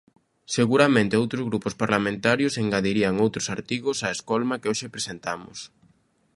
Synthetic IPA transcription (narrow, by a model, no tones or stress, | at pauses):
seɣuɾamẽnt̪ɪowt̪ɾʊzɣɾupʊspaɾlamẽnt̪aɾjʊseŋɡaðiɾiɐŋowt̪ɾʊsaɾt̪iɣʊsaeskɔlmakeoʃepɾesent̪amʊ̰s